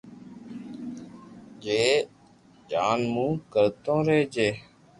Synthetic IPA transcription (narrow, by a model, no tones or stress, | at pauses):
d͡ʒeː | d͡ʒaːnmũːkəɾt̪õːɾeːd͡ʒeː